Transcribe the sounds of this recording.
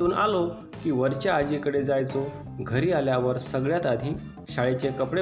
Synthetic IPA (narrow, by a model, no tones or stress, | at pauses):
uːna̰lo | kiːʋəɾt͡ɕaːd͡ʑikəɽed͡zajt͡so | ɡʱəɾiːaljaʋəɾsəɡɭjat̪ad̪ʱiː | ɕaɭet͡ɕekəpɽe